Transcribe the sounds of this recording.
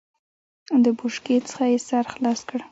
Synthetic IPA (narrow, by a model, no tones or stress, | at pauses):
d̪əbʊʃket͡sə̥χajesaɾxlɑskəɽ